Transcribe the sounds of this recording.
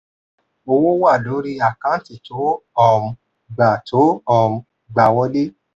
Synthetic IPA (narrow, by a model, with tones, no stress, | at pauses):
o˧wo˦wa˦˨lo˨˦ɾi˦a˨kã˦ti˨to˨˦ɔ˦˨m̩˧ | ɡ͡ba˨tʰo˨˦ɔ˦˨m̩˧ | ɡ͡ba˧˨wɔ˦de˦